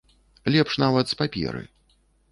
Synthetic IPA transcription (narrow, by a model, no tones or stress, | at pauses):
lʲɛpʂnavɐt̪spapʲɛ̰ɾɨ̰